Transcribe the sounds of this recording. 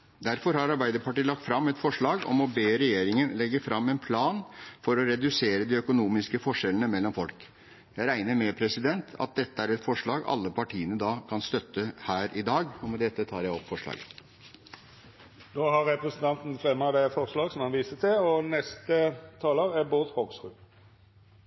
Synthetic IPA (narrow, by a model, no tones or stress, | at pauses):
d̪æɾfɔɾhɑɾɑɾbæɪd̪əpɑʈiːlɑkt̪fɾɑmːɛt̪fɔʂɭɑːɡɔ̰mɔbeːɾɛjeːɾɪŋənlɛɡːəfɾɑmːɛnpʰlɑːnfɔɾɔɾɛd̪ʉseːɾəd̪ɪœkʊnuːmɪskəfɔʂɛlənəmɛlːɔmfɔlk | jæɪɾæɪnəɾmɛpʰɾɛsɪd̪ɛnt̪ʰɑ̰t̪̚d̪ɛt̪ːəæɾɛt̪fɔʂɭɑːɡɑ̰lːəpʰɑʈʰiːənəd̪ɑːkʰɑnst̪œt̪ːəhæːɾɪd̪ɑːɡɔmɛd̪ɛt̪ːət̪ʰɑːɾjæɪɔpːfɔʂɭɑ̰ːɡə | noːhɑɾɛpɾɛsn̩t̪ɑnt̪n̩fɾɛmːɑd̪ɛfɔʁslɑːɡsɔmhɑnʋiːsət̪ʰɪlɔnɛst̪ət̪ʰɑːləʁæboːt̪hɔʁsʁʉː